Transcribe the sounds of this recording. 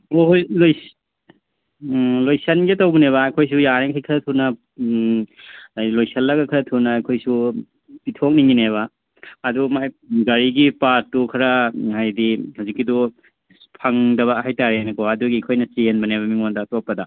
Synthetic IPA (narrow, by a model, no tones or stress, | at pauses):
ojloj | lojsɐnɡetɐwbɐneβɐɐjkʰojs̬ujaɾeŋkʰajkʰɐɾɐtʰunɐ | lojsɐlːɐɡɐkʰɐɾɐtʰunɐːjkʰojsu | pitʰok̚niŋineβɐː | dumajɡɐɾiɡipatukʰɐɾɐɦajdihawzikːidu | pʰɐŋdɐβɐhajtaɾeajnɐkoɐduɡiɐkʰojnɐt͡ʃienbɐneβɐmiŋondɐtopːɐdɐ